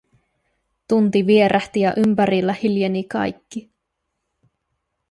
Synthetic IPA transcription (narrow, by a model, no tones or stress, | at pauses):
t̪unt̪iʋie̞ɾʔæht̪ijɑʔympæɾilːæhiljenikɑ̰jkːi